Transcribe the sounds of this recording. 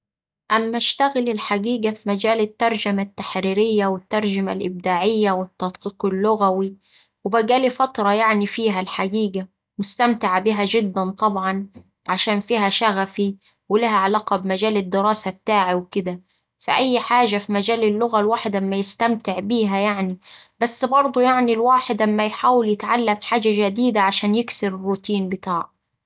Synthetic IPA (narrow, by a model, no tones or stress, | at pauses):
ʔæmːæʃt̪æɣɪlɪlħaɡiːɡæfimæd͡ʒæːlɪt̪ːɑɾˤd͡ʒæmat̪ːaħɾiːɾɪjːæwɪt̪ːɑɾˤʒama̰lʔɪb̚d̪aːʕɪjːæwɪt̪ːɑt̪ˤqiːqɪlːʊɣæwi | wɪbæɡæːlifɑt̪ˤɾˤɑjaʕnifiːɦælħaɡiːɡæ | mʊst̪æmt̪ɪʕbiɦæʒɪd̪ːænt̪ˤɑbʕɑn | ʕaʃæːnfiːɦæʃæɣæfi | wɪlɪɦæʕalaːqɑbmæʒæːlɪd̪ːɪɾɑːsab̚t̪aːʕawkɪd̪æ | fiʔæjːħaːʒafimæd͡ʒæːlɪlːʊɣælwaːħɪd̪ʔamːæjɪst̪æmt̪ɪʕbiːɦæjaʕni | bæsːbɑɾˤd̪ˤujaʕnilwaːħɪd̪ʔamːæjħaːwɪljɪt̪ʕalːæmħaːd͡ʒaʒæd̪iːd̪aʕaʃæːnjɪksɪɾɪrːut̪iːnbɪt̪aːʕ